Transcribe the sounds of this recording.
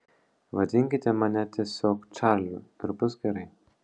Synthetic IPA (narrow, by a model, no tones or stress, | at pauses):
ʋɐd̪ʲɪŋʲkʲɪt̪ʲɛmɐnʲɛt̪ʲiɛsʲoːkt͡ʃɑɾlʲʊɪɾbʊsɡʲɛɾɐɪ